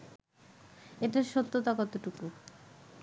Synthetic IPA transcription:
eʈaɾʃot̪ːot̪akɔt̪oʈuku

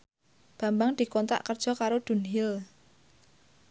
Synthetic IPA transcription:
b̥ä̤mbaŋd̪̥i̤kɔnt̪a̰ʔkərd̥ʒ̥ɔ̤kaɾod̪̥ṳnɦil

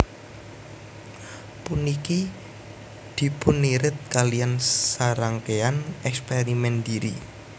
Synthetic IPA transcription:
puniki | d̪̥i̤pʊnːiɾɪt̪̚kalijansaɾaŋkeanɛkspeɾimɛnd̪iɾḭ

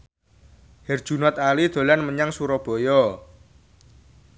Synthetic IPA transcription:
hɛrd̥ʒ̥ṳnat̪alid̪̥o̤lanməɲaŋsuɾɔb̥ɔ̤jɔ

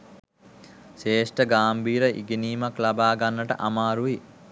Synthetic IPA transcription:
ʃeːʂʈəɡaːmbʱiːɾəʔḭɡiniːmaklabaːɡanːəʈə̰ʔamaːɾuʋi

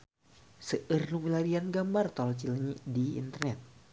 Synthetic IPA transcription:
səʔərnuŋilaɾianɡambart̪ɔlt͡ʃilɲidiḭnt̪ərnɛt̪̚

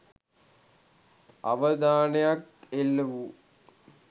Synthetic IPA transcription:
a̰ʋəd̪aːnejakelːəʋu

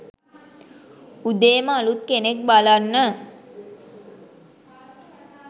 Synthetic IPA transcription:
ud̪eːməalut̪̚kenek̚balanːə

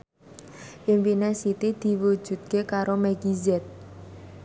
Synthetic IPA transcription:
ʔiŋpinesit̪id̪̥i̤wud̥ʒ̥ṳt̪̚kekaɾomɛɡizɛt̪̚

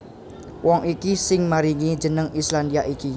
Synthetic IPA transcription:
wʔɔŋʔikisɪŋmaɾiŋid͡ʒənəŋislandiaʔiki

